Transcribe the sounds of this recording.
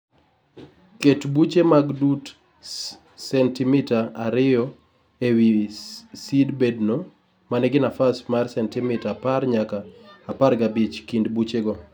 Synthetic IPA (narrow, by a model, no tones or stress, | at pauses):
ketbut͡ʃemaɡdut | sɛntimɪtaaɾɪjɔ | ewi | sidbɛdno | manɛɡɪnafasmarsɛntɪmɪtaparɲakaːpaɾɡabit͡ʃkindbut͡ʃeɡɔ